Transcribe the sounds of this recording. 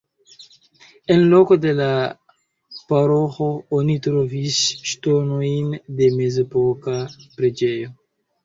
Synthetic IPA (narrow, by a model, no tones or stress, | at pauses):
e̞nlo̞ko̞de̞la | paɾoxoonitɾovisːtonojnde̞mezepokapɾe̞d͡ʒe̞jo̞